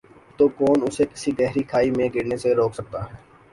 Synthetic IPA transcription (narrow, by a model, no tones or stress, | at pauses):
t̪oːkɔːnʊsekɪ̥siɡɛɦɾikʰaːimẽɡeːɽnẽseɾoːkʰsɐk̚t̪aɦɛː